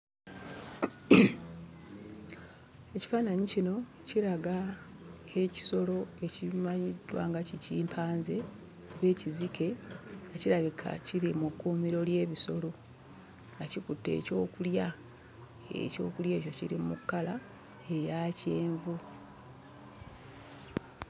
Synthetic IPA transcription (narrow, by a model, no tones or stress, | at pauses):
e̞ci̥faːnaɲicino̞ | ciɾaɡa | e̞ci̥so̞lo̞e̞cimaɲidwa̰ːŋɡaciciːmpʰaːnze̞ | βe̞ːcizikʰe̞aciɾaβikʰa̰ciɾimukːuːmiɾo̞lje̞ːβiso̞lo̞ | ŋɡacikutːe̞̰ːco̞ːkulja | ḛco̞̰ːkulje̞ːco̞ciɾḭmukːala | e̞jaceːɱvu